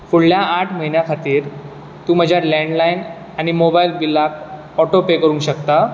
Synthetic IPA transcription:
fuɽljaːʈʰməɦinjakʰat̪iːɾ | t̪uːməd͡ʑʱjalɛ̃ɳɖlain | añimobailbilakʰ | ɔʈopekəɾũːŋɕəkt̪a

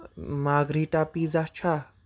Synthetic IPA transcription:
maːɡɾiːʈapiːzat͡ʃʰa

